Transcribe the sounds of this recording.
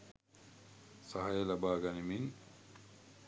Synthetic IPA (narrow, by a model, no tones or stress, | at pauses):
sɐɦajɐlɐbaːɡɐnimin